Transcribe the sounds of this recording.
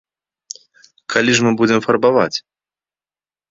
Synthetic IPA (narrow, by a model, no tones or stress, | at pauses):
kʰalʲiʐmɨbud͡zʲɛmfɐrbava̰t͡sʲ